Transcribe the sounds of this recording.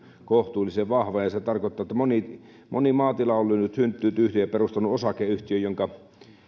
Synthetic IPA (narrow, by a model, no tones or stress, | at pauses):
koht̪uːliseʋʋɑhʋɑjɑset̪ɑrkoˑet̪ːˑɑːˑet̪ːæmoni | mʔo̰nimɑːt̪ilɑolːynyt̪synt̪ːyːt̪yht̪ijɑperust̪ɑnuosɑkˑeyht̪iøjoŋkɑ